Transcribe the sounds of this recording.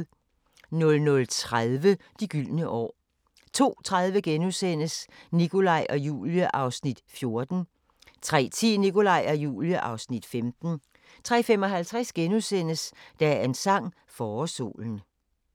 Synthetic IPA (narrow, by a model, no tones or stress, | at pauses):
nɔ̽lnɔ̽lt͡sʰʁaðˠʋə | d̥iɡ̥yl̰nəʔɒ̰ː | t͡sʰo̝̰ːt͡sʰʁað̞ˠʋəɡ̥enusen̰əsnikʰo̝lɑ̈ɪʔɒ̽jṵːljəʔɑ̈ʊsnid̥fjo̝ɐd̥n̩ | t͡sʰʁɛ̰ːt͡sʰḭːniko̝lɑ̈ɪ̰ɒ̽jṵːljəʔɑ̈ʊsnid̥femd̥n̩ | t͡sʰʁɛ̰ːfemɒ̽ɦælt͡sʰʁasɡ̥enusen̰əsd̥ææensɑ̈ŋ̰ | fɒːso̝̰ːln̩